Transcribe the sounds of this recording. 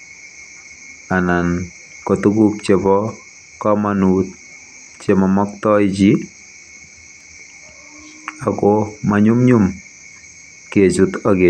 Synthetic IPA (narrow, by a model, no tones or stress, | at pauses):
anan | kɔt̪uɡuk̚t͡ʃebɔ | kɔmanut̪̚ | t͡ʃemɔmɔk̚t̪ɔjd͡ʒi | akomaɲumɲum | ket͡ʃut̪ɔɡe